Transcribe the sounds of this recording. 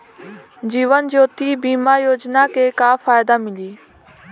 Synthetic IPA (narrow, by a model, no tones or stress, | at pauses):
d͡ʒiːʋənd͡ʒoːt̪iːbiːmaːjoːd͡ʒnaːkeːkaːfaːjd̪aːmɪliː